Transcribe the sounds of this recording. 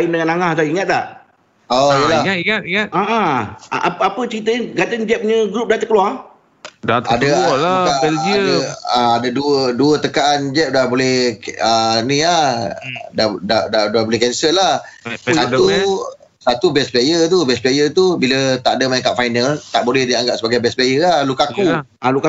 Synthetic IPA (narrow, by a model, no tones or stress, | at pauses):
inməɲanaŋahsaiŋat̪̚t̪aʔ | oijəlaaŋat̪iŋaaʔã̰ | pəapət͡ʃəɾit̪əinɡat̪ənd͡ʒɛp̚ɲə̃ɡɾup̚dat̪əkəlua | dat̪adaalakad͡ʒiadəaadaduəduət̪əkaʔand͡ʒɛp̚dabolɛhənĩla | dadadadabolɛhkɛnsəlah | sat̪u | sat̪ubɛspajət̪̬ubɛspliajət̪ubilət̪aʔadəmaəŋkaʔ̚fajnəlt̪aʔbolɛhdiaŋɡaʔ̚səbaɡajbɛspajəlahlukaku | aluka